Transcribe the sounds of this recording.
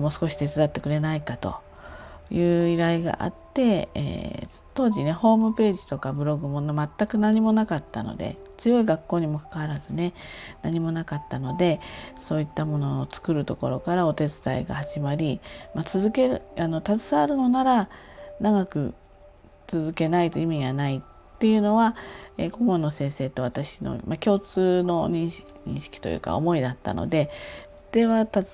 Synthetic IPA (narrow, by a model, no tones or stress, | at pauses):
moːsɨ̥ko̞ɕi̥t̪e̞t͡sɨd̪at̪ːe̞kɯ̟ɾe̞naikat̪o̞̰ | jɯ̟ːiɾaiɡa̰ʔa̰t̪ːe̞ḛː | t̪o̞ːʑine̞ho̞ːmɯ̟pe̞ːʑi̥t̪o̞kabɯ̟ɾo̞ɡɯ̟mo̞nmat̪ːakɯ̟naɲ̟imo̞nakat̪ːa̰no̰d̪e̞̰t͡sɨjo̞iɡakːo̞ːɲ̟imo̞kḁkaβaɾazɨne̞naɲ̟imo̞nakat̪ːano̞d̪e̞so̞ːit̪ːamo̞no̞ːt͡sɨ̥kɯ̟ɾɯ̟t̪o̞ko̞̰ɾo̞̰kaɾao̞t̪e̞t͡sɨ̥t̪a̰iɡa̰haʑimaɾʲimat͡sɨzɨke̞ɾɯano̞t̪at͡sɨ̥saːɾɯ̟no̞naɾanaɡakɯ̟ | t͡sɨzɨke̞nait̪oimʲiɡanaitt̪ːe̞jɯ̟no̞βaḛko̞mo̞no̞sẽ̞ɰ̃se̞ːt̪o̞βat̪aɕi̥no̞̰makʲo̞ːt͡sɨːno̞ɲĩɕ | ɲḭ̃ɕi̥kʲi̥t̪o̞jɯ̰ːka̰o̞̰mo̞id̪at̪ːa̰no̞̰d̪e̞ | d̪̥e̞βat̪a